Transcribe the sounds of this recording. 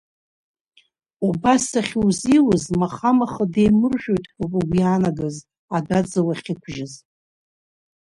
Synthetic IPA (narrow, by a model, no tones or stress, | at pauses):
ubasaχʲwziwʊzmaχamaχəde̞jmɨrʒʷᶣojtʼupʼɨɡʷijaːnaɡaz | adad͡zɨwaχʲikʷʰʒɪz